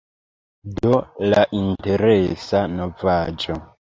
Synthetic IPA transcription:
dolaʔinte̞ɾesanovaːd͡ʒo

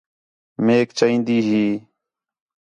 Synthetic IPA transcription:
meːkt͡ʃaːĩːnd̪iːɦiː

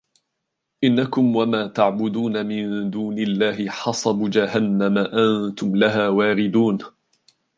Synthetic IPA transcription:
ʔɪnːakʊmwamaːt̪aʕbʊd̪uːnamɪnd̪uːnɪlːaːɦɪħɑsˤɑbud͡ʒaɦanːamaʔant̪ʊmlaɦaːwaːɾɪd̪uːn

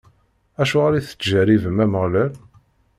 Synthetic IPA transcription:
æʃuʁaɾiθə̥t͡sːʒæɾivəmæməʁlæl

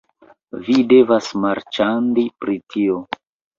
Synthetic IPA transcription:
vide̞vasmaɾt͡ʃandipɾitʰio̞

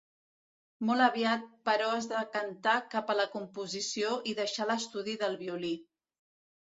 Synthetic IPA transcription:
mɔlˠəβiat̪̚pəɾɔəzðəkənt̪akapələkumpuzisioʔiðəʃaləst̪uðiðəlˠβiuli

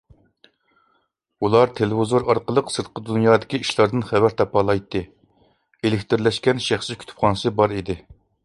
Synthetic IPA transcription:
ulˠɑɾt̪ʰelɪvɪzoɾɑɾqəlˠəqsɨɾt̪̚qəd̪unjɑːd̪ɪkʲiiʃlˠɑɾd̪ɨnχævæɾt̪ʰɑpɑlˠɑjt̪ːɨ | elɪkʲt̪ɪɾlɛʃkʲɛnʃæχsɪkʲʰy̥t̪ʰpχɑnɨsɨbɑɾid̪ɪ

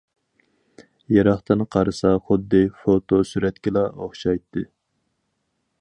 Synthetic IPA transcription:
jɑɾɑχt̪ɨnqʰɑɾɨsɑχʊd̪ːɨfot̪ʰosyɾɛt̪kʲilˠɑoχʃɑjt̪ʰːɨ

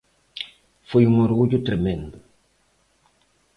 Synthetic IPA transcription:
fojuŋoɾɣud͡ʒʊt̪ɾemẽnd̪ʊ

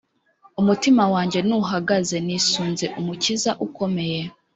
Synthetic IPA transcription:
umutimawaːɲɟe̞nuɦaɡaze̞nisuːnze̞ʔumucizaʔuko̞me̞je̞

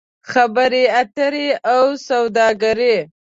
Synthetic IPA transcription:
xabəɾeat̪əɾeawsawd̪ɑɡaɾe

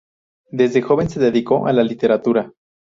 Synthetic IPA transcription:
d̪e̞zðexo̞βe̞nseðeðiko̞ʔalalit̪e̞ɾat̪uɾa

